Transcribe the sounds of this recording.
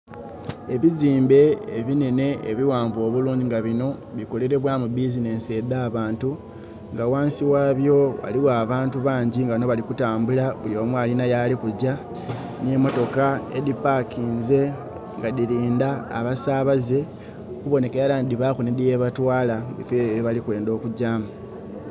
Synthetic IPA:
e̞βiziːmbe̞ːβine̞ne̞̰ːβiwaːɱvo̞ːβuluːɲɟiŋɡaβino̞ | βiko̞le̞ɾe̞βwamubizine̞ːnse̞d̪aːβaːntu | ŋɡawaːnsiwaːβjo̞wa̰liwaːβaːntuβaːɲɟiŋɡanoβalikutaːmbulaβulioːmwaːlinajalikuɟa | ne̞mo̞to̞kae̞̰dipakʰiːnze̞ | ŋɡadiɾiːnda̰ːβasaːβaze̞ | kuβo̞ne̞keɾalaːndiβaːkunedijeβatwaːlabifeβeβalikwe̞ːndo̞ːkuɟaːmu

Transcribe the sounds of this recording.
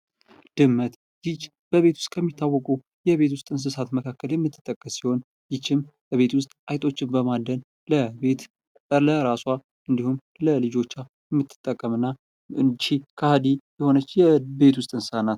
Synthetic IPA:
d̪̥ɨmːət̪ | ɡit͡ʃ | b̥əβe̞t̪wʊ̥st̪ʼkʰəmːit̪ːawːɔkʼu | jɛβe̞t̪̬wʊst̪ʼɨns̬ɨsat̪məkʰakːəljɛmːɨt̪ʰːɨ̥t̪ʼːəkʼːəsːiho̞n | jɪt͡ʃːɪmbəβe̞t̪wʊst̪ʼʔajt̪ʼo̞t͡ʃːɪmbəmad̪ən | ləet̪ | ləɾaswa | ʔɨnd̪ihum | ləlɨd͡ʒo̞t͡ʃːa | jɛmːɨt̪ːɨ̥t̪ʼːəkʼːəmɨnːa | ɨnt͡ʃːikʰəhad̪ijɛho̞nət͡ʃːjɛbe̞t̪wʊst̪ʼɨnsɨsanat̪

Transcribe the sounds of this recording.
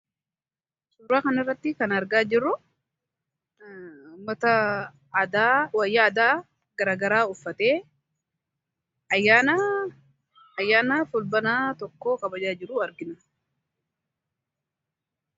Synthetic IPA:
sʊɾːaːkɐnɪrːɐt̪ːɪkɐnɐɾɡaːd͡ʒɪrːʊ | ʊmːɐt̪ɐ | d̪aːwɐjːɐːd̪aː | ɡɐɾaːɡɐɾaːʊfːɐt̪eː | ɐjːaːnɐ | ɐjːaːnɐfʊlbɐnaːt̪ɔkːoːkɐbɐd͡ʒaːd͡ʒɪɾːʊɐɾɡɪnɐ

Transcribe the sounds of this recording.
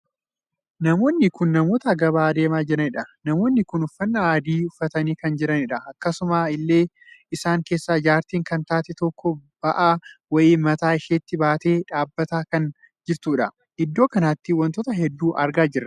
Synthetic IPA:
nɐmo̞ːnːɪkʊnːɐmo̞ːt̪ɐɡɐbaːd̪e̞ːmaːd͡ʒɪɾɐnɪᶑɐnɐmo̞ːnːɪkʊnʊfːɐnːɐaːd̪iːʊfːɐt̪ɐniːkɐnd͡ʒɪɾɐnɪᶑɐɐkːɐsʊmaːɪlːe̞ː | ɪsaːŋke̞ːsːaːd͡ʒaːɾt̪iːŋkɐnt̪aːt̪ɛt̪ɔkʰːɔbɐʔaːwɐʔiːmɐt̪aːɪʃeːt̪ːɪbaːt̪e̞ːᶑaːbːɐt̪aːkɐn | d͡ʒɪɾt̪uːᶑɐ | hɪd̪ːo̞ːkɐnaːt̪ːɪwɐnt̪oːt̪ɐɦɛd̪ːuːʔɐɾɡaːd͡ʒɪrːɐ

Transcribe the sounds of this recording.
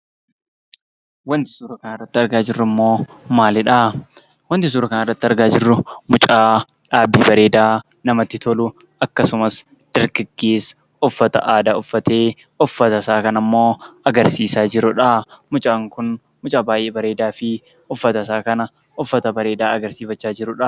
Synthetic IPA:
wɐnt̪ɪ̥suːɾɐkɐnɪrːɐt̪ːɪɐɾɡaːd͡ʒɪrːʊmːo̞ːmaːlɪᶑaː | wɐnt̪ɪsuːɾɐkɐnɛrːɐt̪ːɪɐɾɡaːd͡ʒɪrːʊmʊt͡ʃʼaː | ᶑaːbːiːbɐɾe̞ːd̪aː | nɐmɐt̪ːɪt̪ɔlʊ | ɐkːɐsʊmɐs | d̪̥ɐɾɡɐɡːeːs | ʊfːɐt̪ɐ̰ʔaːd̪aːʊfːɐt̪e̞ː | ɔfːɐt̪ɐsaːkɐnɐmːo̞ːɐɡɐɾsiːsaːd͡ʒɪɾʊᶑɐmʊt͡ʃʼaːŋkʊn | mʊt͡ʃʼaːbaːjʔeːbɐɾe̞ːd̪aːfɪ | ɔfːɐt̪ɐsaːkɐnɐ | ʊfːɐt̪ɐbɐɾe̞ːd̪aːɐɡɐɾsiːfɐt͡ʃːaːd͡ʒɪɾʊᶑɐ

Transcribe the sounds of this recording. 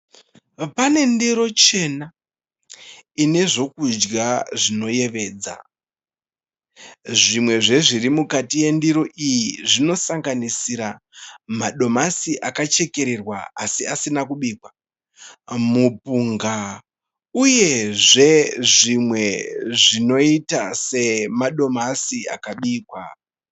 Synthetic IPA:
pane̞ndiɾo̞t͡ʃe̞na | ine̞ʐo̞kud͡ʒɡaʐino̞je̞ʋe̞ːd͡za̰ | ʐimwe̞ʐe̞ʐirimukatije̞ndiɾo̞ʔijiʐino̞saŋɡanisiɾa | maɗo̞masiʔakat͡ʃe̞ke̞ɾe̞rwaasiasinakuɓiːkwa | mupuŋɡa | uje̞ʐe̞ʐimwe̞ʐino̞itase̞maɗo̞masia̰kaɓiːkwa

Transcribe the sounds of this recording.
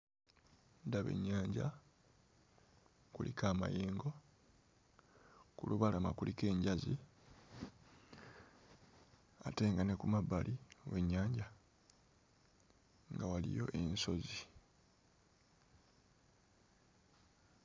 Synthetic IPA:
ndaβe̞̰ɲːaːɲɟa̰ | kulikaːma̰jeːŋɡo̞ | kuluβalama̰kulike̞ːɲɟazi | ate̞ːŋɡane̞kumabːalʔiwe̞ɲːaːɲɟa | ŋɡawalḭjo̞̰ʔe̞nso̞zi

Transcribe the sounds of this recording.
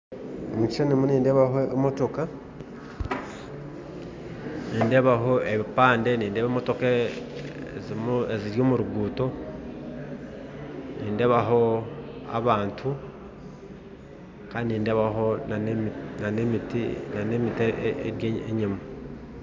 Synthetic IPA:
emit͡ʃi̥ʃanimuniːndeβaɦoemotoka | niːndeβaɦo̞eβipaːnde̞niːndeβemoto̞ka | zmeziɾjoːmuɾuɡuːto̞ | niːnde̞βaɦo̞a̰βaːntʰu | kaːniniːndeβaɦo | nanemitinanemiteeɾjeɲima

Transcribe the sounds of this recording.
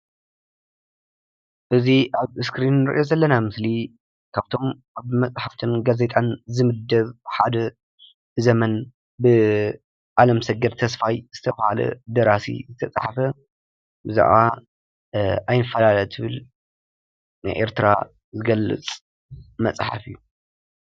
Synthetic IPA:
ʔɨziʔaβɨskɾinːɨɾʔɨjo̞zɐlːɐnamɨsli | kʰaβt̪ʰo̞m | aβmɐt͡sʼħaft̪ʰɨnɡaze̞t̪ʼanzɨmɨd̪ːɐβħad̪ɐ | zɐmɐn | bɨ | ʔalɐmsɐɡɐd̪t̪ʰɐsfajz̥ɨt̪ʰɐβhalɐ̰d̪ɐɾasḭzɨt̪ʰɐt͡sʼħafɐ | bɨzḭʔa̰ | ʔajnɨfːɐlalɐt̪ʰɨβɨl | najʔḛɾt̪ʰɨɾa̰ | zɨɡɐlːɨ̰t͡sʼ | mɐt͡sʼħa̰fɨjːu

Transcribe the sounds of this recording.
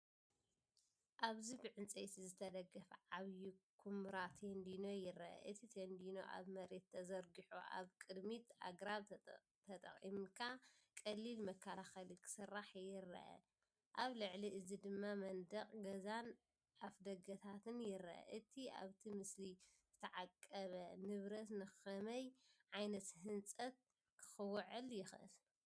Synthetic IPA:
ʔaβzibɨʕɨnt͡sʼejt̪ʰizɨt̪ʰɐd̪ɐɡːɐfʕaβjukʰumɾat̪ʰend̪ino̞jɪɾɐʔɐ̰ʔɨt̪ʰit̪ʰend̪inoʔa̰βmɐɾe̞t̪ʰːɐzɐɾɡiħṵʔa̰βkʼɨd̪mit̪a̰ɡɾaβ | t̪ʰɐt̪ʼɐ̰χʼḭmkʰakʼɐlːilmɐkʰːɐlaxɐlikʰɨ̥sɨrːaħjɪɾɐ̰ʔɐ̰ | ʔaβlɨʕliʔɨzid̪ɨmːamɐnd̪ɐχʼɡɐzan | ʔafd̪ɐɡɐt̪ʰat̪ʰɨnjɪɾ̰ʔɐ̰ʔɨt̪ʰia̰βt̪ʰimɨslizɨt̪ʰɐʕakʼːɐβɐnɨβɾɐt̪nɨxɐmɐjʕajnɐt̪hɨnt͡sʼɐt̪̚ | kʰɨ̥xɨwʕɨljɪxʔɨ̰l

